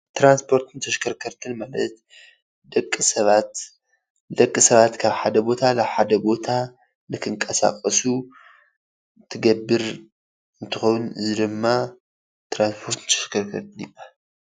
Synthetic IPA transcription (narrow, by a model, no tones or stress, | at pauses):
t̪ɾanspʰo̞ɾt̪ʰɨnt̪ʰɐʃkʰɐɾkʰɐɾt̪ʰɨnmalɐt̪ | d̪ɐkʼːɨsɐβat̪ | d̪ɐkʼːɨsɐβat̪kʰaβħad̪ɐbo̞t̪ʰalaβħad̪ɐbo̞t̪ʰa | nɨkʰɨŋkʼɐsa̰kʼɐsu | t̪ʰɨɡɐbːɨɾ | ɨnt̪ʰɨxownɨzid̪ɨmːa | t̪ɾanspʰo̞ɾt̪ʰnt̪ʰɐ̥ʃkʰɐɾkʰɐɾt̪ʰɨnibal